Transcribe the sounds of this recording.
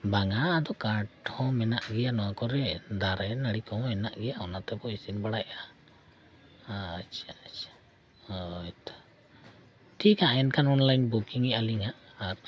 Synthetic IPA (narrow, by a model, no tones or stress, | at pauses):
baŋad̪ɔkaɾʈhɔ̃mɛnaʔɡɛjanɔwakɔɾɛd̪aɾɛnaɽikɔ̃hɔ̃mɛnaʔɡɛjaɔnat̪ɛbɔisinbaɽaja | at͡ʃʰat͡ʃḁ | ɔjt̪ḁ | ʈʰikaɛnkʰanɔnlajnbukiŋɛaliŋaʔaɾ